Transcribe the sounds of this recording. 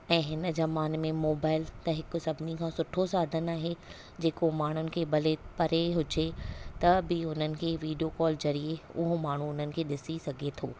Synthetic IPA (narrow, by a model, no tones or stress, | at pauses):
ɛ̃ːɦɪnə̆zɐmaːnmẽmoːbaːɪlt̪ɐɦɪkʊ̆sɐbʱɪnikʰãːsʊʈʰosaːd̪ʱənaːɦe | d͡ʑeːkomaːɽ̤ʊnɪ̆kʰeːɓɐlepɐɾeɦʊd͡ʑet̪ɐbɪʊn̤ənɪ̆kʰeːʋiːɖijokɔːlzɐɾieʊɦomaːɳ̤uʊn̤ənɪ̆kʰeːɗɪsisɐɡʱet̪ʰoː